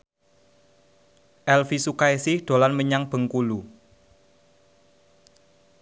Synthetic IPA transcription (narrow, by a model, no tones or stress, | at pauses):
ʔɛlfisukajsɪhd̪̥o̤lanməɲaŋb̥ə̤ŋkulu